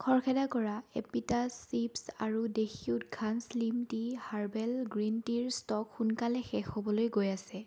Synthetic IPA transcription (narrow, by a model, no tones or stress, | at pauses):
kʰɔɹkʰɛdakɔɹaepitasipsa̰ɹudexiutɡʱanslimtihaɹbɛlɡɹintiɹstɔkxunkalɛxɛxobɔlojɡojasɛ